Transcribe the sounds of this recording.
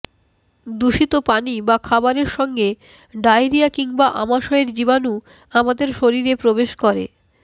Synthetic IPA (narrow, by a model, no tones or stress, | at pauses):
d̪uʃit̪opanibakʰabaɾeɾʃɔŋɡe | ɖaeɾiakiŋbaʔamaʃaeɾd͡ʑiβanu | amad̪eɾʃoɾiɾepɾobeʃkɔɾḛ